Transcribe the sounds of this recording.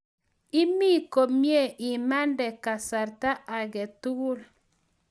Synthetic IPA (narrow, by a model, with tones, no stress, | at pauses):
i˦mi˦˨ko˨mje˦˨ʔi˨ma˦ndɛ˨ka˨sa˨ɾta˦ʔa˨ɣɛ˨tu˦ɣu˦la˨